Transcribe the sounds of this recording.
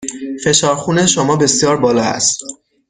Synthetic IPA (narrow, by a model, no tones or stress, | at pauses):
fe̞ʃɒːɾxune̞ʃomɒːbe̞sijɒːɾbɒːlɒːhæ̰st̪